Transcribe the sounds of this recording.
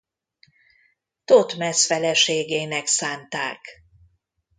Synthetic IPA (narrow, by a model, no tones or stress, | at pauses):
t̪ot̪mɛsfɛlɛʃeːɡeːnɛksaːnt̪a̰ːk